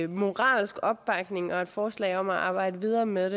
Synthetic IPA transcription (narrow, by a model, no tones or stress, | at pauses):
mo̝ʁɑ̰̈ːlsɡ̥ɒ̽b̥̚ːɑ̈ɡ̥ne̝ŋɒ̽e̝d̥fɒːslɛ̰ɪɒ̽m̰æʔɑ̈ːb̥ɑ̈ɪ̰d̥əʋið̞ˠɐːmeðˠde